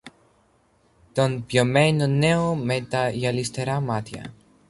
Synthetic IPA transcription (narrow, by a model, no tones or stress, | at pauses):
t̪o̞npʝomenone̞omet̪ɐjɐlist̪e̞ɾɐmɐt̪çɐ̰